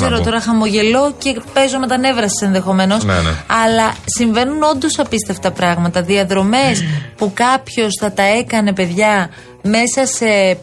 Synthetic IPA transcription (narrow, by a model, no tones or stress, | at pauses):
eɾot̪o̞ɾɐxɐmo̞ʝe̞lo̞ce̞pe̞zomet̪ɐne̞vɾɐse̥se̞nðe̞xo̞me̞no̞sɐlɐsiɱve̞nuno̞nd̪o̞sɐpist̪eft̪ɐpɾɐɣmɐt̪ɐðiɐðɾo̞me̞spukɐpço̞sθɐt̪ɐe̞kɐne̞pe̞ðʝɐ | me̞sɐse̞